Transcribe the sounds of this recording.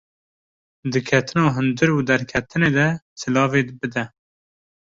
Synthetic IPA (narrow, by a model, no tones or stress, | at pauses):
d̪ɨkʰɛt̪ʰɨnɑːɦɨnd̪ɨɾuːd̪ɛɾkʲʰɛt̪ʰɨneːd̪ɛsɨlɑːveːbɨd̪ɛ